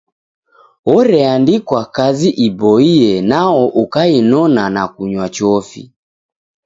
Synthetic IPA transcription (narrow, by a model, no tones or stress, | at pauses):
ɔɾɛandikwakaziʔibɔiɛnaɔʔukainɔnanakuɲwat͡ʃɔfḭ